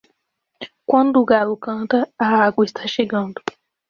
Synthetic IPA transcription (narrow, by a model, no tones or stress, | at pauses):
kwɐ̃nd̪ʊːɡalʊkɐ̃nt̪ɐaaɡwɐist̪ʰaʃeɡɐ̃nd̪ʊ